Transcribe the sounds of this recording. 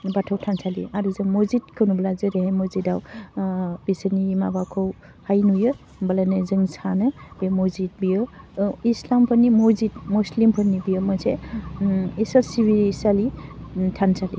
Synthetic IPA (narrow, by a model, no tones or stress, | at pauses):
batʰɔwtʰansʰalḭaɾuzɯŋmozit̚kʰɯnublazɯɾeɦajmɔzidaw | b̥isənimabakʰɯw | hajnujɯ | balanɯzɯŋsʰanɯbemɔzit̚bijɯislampʰɯnimuzitmuslimpʰɯnːibijɔmɯsʰe | isalsibiɾsalitʰansalḭ